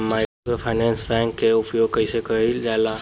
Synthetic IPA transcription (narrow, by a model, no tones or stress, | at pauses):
maɪ | ɡəpʰaɪnɛ̃ːnsbɛ̃ŋkkeʊpjoːɡ̚kəisekəɦid͡ʒala